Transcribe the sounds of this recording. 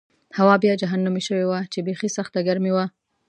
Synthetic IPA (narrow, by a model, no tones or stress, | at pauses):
hawɑbjɑd͡ʒaɦanːumiʃəwewat͡ʃebexisaxt̪aɡaɾmewa